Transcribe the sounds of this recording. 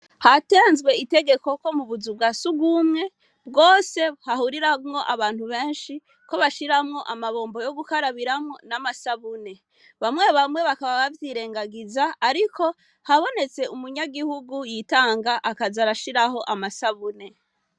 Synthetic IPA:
hateːnzɡwe̞ite̞ɡe̞ko̞komuβuzub̚ɡasuɡumŋe̞ | bɡo̞ːse̞hahuɾiɾamŋo̞ʔaβaːnhuβe̞ːnʃi | ko̞βaʃiɾamŋo̞ʔamaβo̞ːmbo̞jo̞ɡukaɾaβiɾamŋonamasaβune̞ | βamŋe̞βamwe̞βakaβaβavjiɾe̞ːŋɡaɡizaːɾikʰo̞ | haβo̞ne̞t͡se̞umuɲaɡihuɡujitaːŋɡaʔakazaɾaʃiɾaɦo̞ʔamasaβune̞

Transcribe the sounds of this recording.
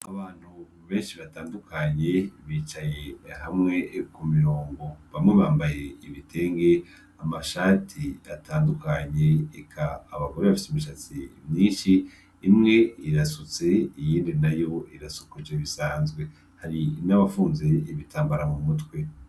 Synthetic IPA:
aβaːn̥hu | βe̞ːnʃiβataːndukʰaɲe̞βiːt͡ʃaje̞hamŋe̞kumiɾo̞ːŋɡo̞βamŋe̞βaːmbaje̞iβitʰe̞ːŋɡe̞ | amaʃatʰia̰tʰaːndukaɲe̞ːkʰaːβaɡo̞ɾeβafi̥seumiʃat͡simɲiːnʃiː | mŋe̞iɾasut͡se̞ijiːndinajo̞iɾasukud͡ʒeβisaːnzɡwe̞ | haɾinaβafuːnze̞iβitaːmbaɾamumutwe̞

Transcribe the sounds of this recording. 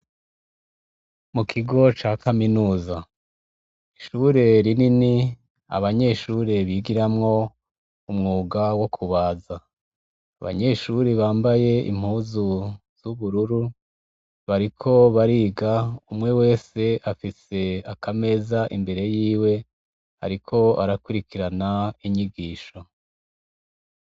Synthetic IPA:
mukʰiɡo̞t͡ʃaːkaminuːza | iʃuɾe̞ɾinini | a̰βaɲe̞ʃuːɾe̞βiːɡiɾamŋo̞ | umŋuːɡawo̞kʰuβaːza | a̰βa̰ɲe̞ʃuɾiβaːmbaje̞ḭm̥huːzuz̥uβuɾuɾu | βaɾikʰo̞βaɾiːɡaumŋe̞we̞ːse̞ʔafise̞akʰame̞zaʔimbe̞ɾe̞jiːwe̞ | ha̰ɾikʰo̞a̰ɾakuɾikiɾanaiɲiɡiːʃo̞

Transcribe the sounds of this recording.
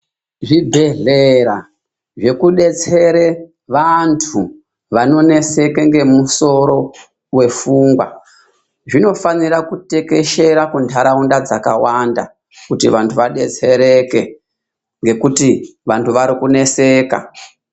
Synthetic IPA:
ʐibʱe̞ɮeɾa | ʐe̞kuɗe̞t͡se̞ɾe | ʋantʰu | ʋano̞ne̞se̞ke̞ŋɡe̞muso̞ɾo̞ | we̞fuːŋɡwa̰ | ʐino̞faniɾakute̞ke̞ʃe̞ɾakuntʰaɾaundad͡zakawanda | kutiʋantʰuʋaɗe̞t͡se̞ɾe̞ke̞ | ŋɡe̞kutiʋantʰuʋaɾikune̞se̞ːka̰

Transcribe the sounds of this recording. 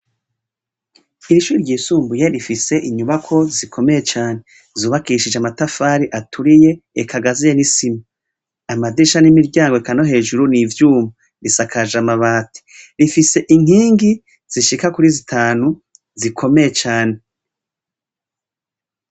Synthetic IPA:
iɾiʃuːɾiɾɟiːsuːmbujeɾifise̞ʔiɲuβakʰo̞zikʰo̞me̞je̞t͡ʃaːne̞ | zuːβakiʃid͡ʒeamatafaːɾiʔatʰuɾije̞ | ekʰaɡazijenisima | amadiʃanimiɾɟaːŋɡoekanoɦe̞ːʒuɾunivjuːma | ɾisakʰaʒamaβaːtʰi̥ɾifise̞ʔiŋ̥hiːŋɡi | z̥iʃikakuɾizitʰaːnu | zikʰo̞me̞jet͡ʃaːne̞

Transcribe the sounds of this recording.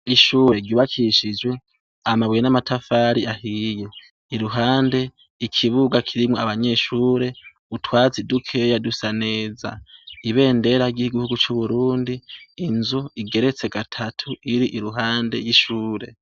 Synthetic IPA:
iʃuːɾe̞ɟjuːβakʰiʃid͡ʒɡwe̞ | amaβwjenamatʰafaɾiʔahije̞ | iɾuɦaːnde̞ | ikʰiβuɡakʰiɾimŋoaβaɲe̞ːʃuːɾe̞ | utwaːt͡sidukʰe̞jadusane̞ːza̰iβe̞ːnde̞ɾaɡiɡihuɡut͡ʃuβuɾuːndiːnzuiɡe̞ɾe̞t͡se̞ɡatʰatʰuiɾiʔiɾuɦaːnde̞jiʃuːɾe̞̰

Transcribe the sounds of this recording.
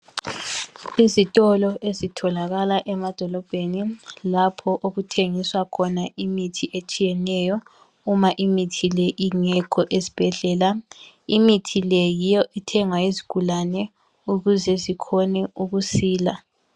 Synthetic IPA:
izitʼɔlɔʔezitʰɔlaɣalaʔɛmad̥ʱɔlɔb̥ʱenilapʰɔʔoɣutʰeŋiswakʰɔnaʔimitʰiʔet͡ʃʼijɛnɛjɔ | umaʔimitʰileʔiŋɛkʰɔʔezib̥ʱɛɮɛːla | imitʰilejijɔʔitʰɛŋwaizi̥ɡ̥ʱulanɛ | uɣuzɛzikʰɔnɛuɣusiːla

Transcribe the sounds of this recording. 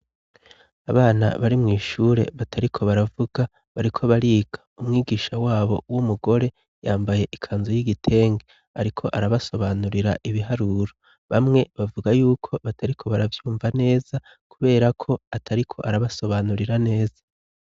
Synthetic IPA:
aβaːna̰βaɾimŋiːʃuːɾe̞̰βatʰaɾikʰo̞βaɾavuɡa | βaɾikʰo̞βaɾiːɡ̥aumŋiːɡiːʃawaːβo̞wumuɡo̞ɾe̞ | jaːmbaje̞ʔikʰaːnzujiɡitʰe̞ːŋɡe | aɾikʰo̞ʔaɾaβaso̞βanuɾiɾa̰ʔiβiɦaɾuɾo | βamŋe̞βavuɡajuːkʰo̞βatʰaɾikʰo̞βaɾavjuːɱvane̞ːz̥a | kuβe̞ːɾakʰo̞atʰaɾikʰo̞̰ʔaɾaβaso̞βanuɾiɾane̞ːz̥ḁ

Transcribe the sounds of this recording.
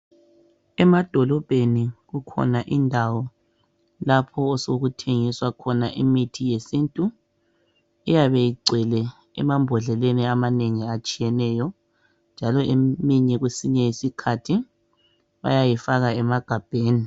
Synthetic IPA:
ɛmad̥ʱɔlɔb̥ʱeniɣukʰɔ̰naʔindʱawɔ | lapʰɔːsoɣutʰeŋiswakʰɔnaʔimitʰijesintʼu | ijaβejiɡ͡ǀʱɛlɛ | ɛ̰mambʱɔɮɛleniamaneŋiat͡ʃʼijɛnɛːjɔ | nd͡ʒʱalɔʔemiɲɛɣwesiɲɛjisikʰatʰi | βa̰jajifaɣaɛmaɡ̥ʱab̥ʱeːni

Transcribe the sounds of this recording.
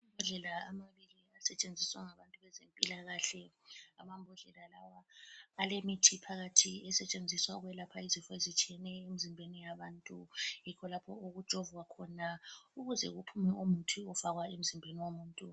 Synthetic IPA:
mbʱɔɮɛlaamaβiliasɛt͡ʃʼend͡zʱiswaŋaβantʼuβɛzempʼilaɣaɬɛ | a̰mambʱɔɮɛlalawaːlemitʰipʰaɣatʰiɛsɛt͡ʃʼend͡zʱiswaɣwɛlapʰaizifɔezit͡ʃʼiɛnɛemizimbʱenijaβaːntʼujikʰɔlapʰɔoɣud̥ʒ̥ʱɔvwakʰɔnauɣuzɛ̰ɣupʰumɛumutʰiɔfaɣwaem̩zimbʱeniwomuːntʼu

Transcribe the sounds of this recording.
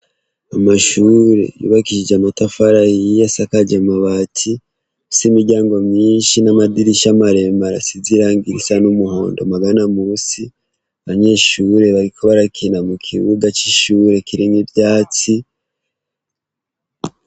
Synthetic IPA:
amaʃuːɾe̞̰jṵːβakiʒid͡ʒeamatafaɾahijasakaɟamaβatʰi | simiɾɟaːŋɡo̞mɲiːnʃinamadiɾiʃamaɾe̞maɾasiziɾaːŋɡiɾisanumuho̞̰ːndo̞maɡanamusi | aβaɲe̞ʃuːɾe̞βaɾikoβaɾakʰinamukʰiβuɡat͡ʃiʃuːɾe̞kiɾiŋibjaːt͡si

